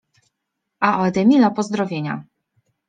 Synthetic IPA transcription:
aʔɔɛd̪ɛmʲilapɔzd̪ɾɔvʲjeɲa̰

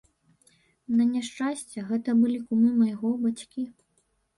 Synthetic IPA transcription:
nɐnʲaʂt͡ʂasʲt͡sʲɛɣɛt̪ɐbɨlʲikumɨmɐjɣɔbat͡sʲkʲi

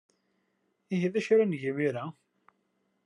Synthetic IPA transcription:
iɦiðæʃɾænʝimiɾæ

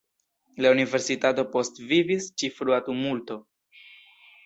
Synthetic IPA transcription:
launive̞ɾsitato̞po̞stvivist͡ʃifɾuatumulto̞

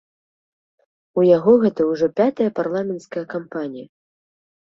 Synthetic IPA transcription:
ujaɣɔɣɛt̪ɐwʐɔpʲat̪ɐjɐparlˠamʲɛnt̪skɐjɐkampanʲijɐ

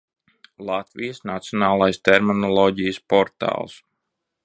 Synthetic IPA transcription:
lˠat̪vijəsnat̪siɔnaːlˠajst̪ɛɾminɔlˠɔːɟijəspɔɾt̪a̰ːlˠs

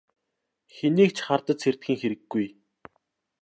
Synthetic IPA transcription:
xeniːk̚t͡ɕʰχart̪ə̆t̪t͡sʰer̥t̪̚xĭŋxeɾɘ̆ɡːuj

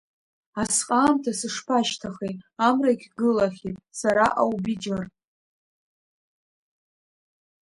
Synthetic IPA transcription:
asqʼaːmtʰasɨʂpʰaʃtʰaχejtʼamraikʲʰɡɨlaχʲitʼsaɾaʔawbid͡ʒar

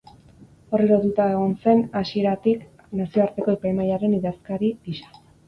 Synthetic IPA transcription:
o̞reɾoðut̪aeɣ̞o̞nse̞nasie̞ɾat̪ik | nasio̞aɾt̪e̞ko̞epajmajaɾe̞niðaskaɾidiʃḁ

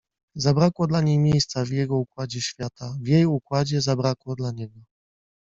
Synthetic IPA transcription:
zabɾakwɔd̪laɲejmʲjejst̪savjɛɡɔukwad͡ʑɛɕfʲjat̪avʲjejukwad͡ʑɛzabɾakwɔd̪laɲɛɡɔ

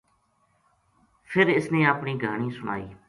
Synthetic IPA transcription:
pʰɪɾɪsnẽːaːpɳiːɡʱaːɽ̃iːsʊɽ̃a̰ːiː

